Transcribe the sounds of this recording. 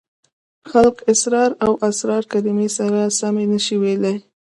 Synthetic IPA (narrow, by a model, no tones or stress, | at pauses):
xalkɪsɾɑɾawʔasɾɑɾkad̪ɪmesaɾasamenəʃiwelaj